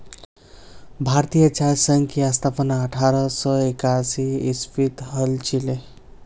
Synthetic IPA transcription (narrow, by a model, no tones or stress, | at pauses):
bʱaɾt̪ijət͡ʃaɾsəŋkjast̪ʰapənaəʈʰaɾʌsʌekasiispʰit̪ɦəlt͡ʃʰile